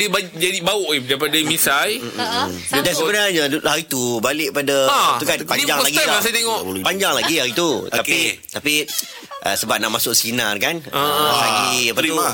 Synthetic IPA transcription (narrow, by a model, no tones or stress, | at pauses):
diəbad͡ʒadibaʊʔidaipadamisaj̩ | dansəbənarɲədulahaɾit̪ubalɪʔpadat̪ukanpaniɲd͡ʒaŋlaɡiaasajt̪eŋɔʔəlpaɲd͡ʒaŋlaɡiaɾit̪ut̪akit̪api | ʔə̰səbap̚naʔmasʊʔsinarkanəasaiapaua